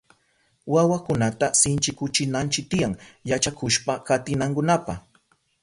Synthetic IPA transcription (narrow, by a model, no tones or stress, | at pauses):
wawakʊnat̪asɪnt͡ʃɪkʊt͡ʃɪnant͡ʃɪk̚t̪ɪjaŋjat͡ʃakʊʃpakat̪ɪnaŋkʊnapa̰χ